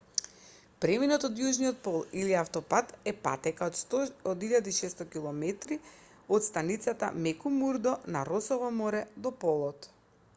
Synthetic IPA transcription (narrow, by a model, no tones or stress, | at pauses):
pɾɛminɔt̪ɔd̪juʒnijɔt̪̚pɔlˠiliaft̪ɔpat̪ɛpa̰t̪ɛkat̪ɔd̪iʎad̪iʃɛst̪ɔkilˠɔmɛt̪ɾi | ɔt̪st̪anit̪sat̪a̰mɛkumuɾd̪ɔnaɾɔsɔvɔmɔɾɛd̪ɔpɔlˠɔt̪